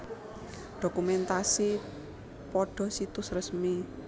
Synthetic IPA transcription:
ɖ̥o̤kumɛnt̪asi | pɔɖ̥ɔ̤sit̪ʊsrəsmi

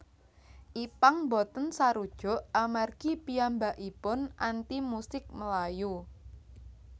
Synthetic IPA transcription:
ʔipaŋbɔt̪ənsaɾud̥ʒ̥ɔ̤ʔamarɡ̥ipiambaʔipʊnʔant̪imusɪk̚məlaju

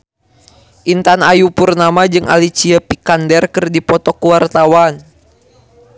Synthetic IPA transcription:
ʔint̪anajupurnamad͡ʒɨŋʔa̰lit͡ʃiapikandɛrkɨrdipɔt̪ɔkuwart̪awan

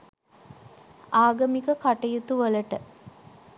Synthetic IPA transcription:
aːɡəmikəkaʈɐjut̪uʋələʈə

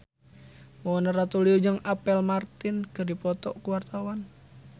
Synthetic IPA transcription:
mɔɔnaɾat̪uliud͡ʒəŋapɛlmart̪ɪnkɨrdipɔt̪ɔ̰kuwart̪awan

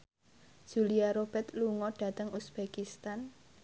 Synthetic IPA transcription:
ʒ̥ṳliaɾob̥ɛt̪luŋɔɖ̥ä̤t̪əŋusb̥ekist̪an

